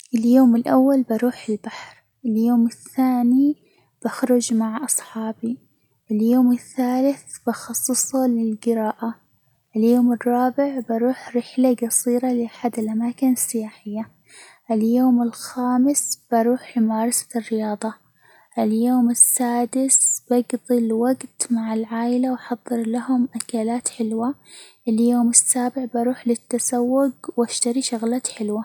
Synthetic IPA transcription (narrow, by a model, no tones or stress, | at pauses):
ʔɪljoːmɪlʔawːalbɑɾuːħɪlbaħɾ | ʔɪljoːmɪθːaːni | b̥axɾʊd͡ʒmaʕʔɑsˤħɑːbi | ʔɪljoːmɪθːaːlɪθb̥ɑxɑsˤːɨsˤulɪlɡɪɾɑːʔa | ʔɪljoːmɨrˤːɑːbɪʕbɑɾuːħɾɪħlaɡɑsˤiːɾɑlɪʔaħad̪ɪlʔamaːkɪnɪsːɪjaːħɪjːa | ʔɪljoːmɪlxaːmɪsb̥ɑɾuːħlɪmɑːɾˤɑsḁɪrːɪjɑːðˤɑ | ʔɪljoːmɪsːaːd̪ɪsb̥aɡd̪ˤilwaɡt̪maʕɪlʕaːʔɪlawħɑðˤːɨɾlahʊmʔakalaːt̪ħɪlwaʔɪljoːmɪsːaːbɪʕbɑɾuːħlɪt̪ːasawːʊɡwaʃt̪aɾiʃaɣlaːt̪ħɪlwa